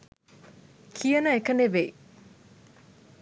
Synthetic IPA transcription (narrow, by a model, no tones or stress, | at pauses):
kʰijənəekəneʋei